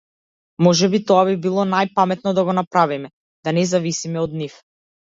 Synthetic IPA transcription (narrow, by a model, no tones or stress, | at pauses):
mɔʒɛbit̪ɔabibilˠɔnajpamɛt̪̚nɔd̪aɡɔnapɾavimɛ | d̪anɛzavisimɛɔd̪nif